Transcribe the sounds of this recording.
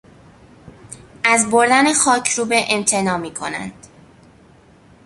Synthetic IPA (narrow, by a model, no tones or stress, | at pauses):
ʔæzboɾd̪ænexɒːcʰɾuːbeʔemt̪ʰe̞nɒːmiːkʰo̞næ̰nd̪̥